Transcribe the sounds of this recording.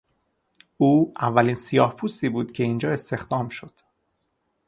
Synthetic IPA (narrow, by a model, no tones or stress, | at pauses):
uːævːæliːnsijɒːhpʰuːst̪iːbuːd̪̥cʲʰe̞ind͡ʒɒːe̞st̪e̞xd̪ɒːmʃo̞d̪̥